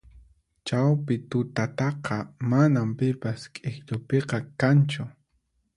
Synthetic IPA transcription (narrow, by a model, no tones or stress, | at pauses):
t͡ʃawpɪt̪ʊt̪at̪ɑqɑmanampɪpaskʼɪxʎʊpeqɑkant͡ʃʊ